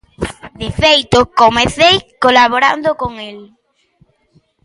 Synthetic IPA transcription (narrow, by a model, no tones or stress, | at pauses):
d̪efejt̪okomẽθejkolaβoɾa̰nd̪okoŋel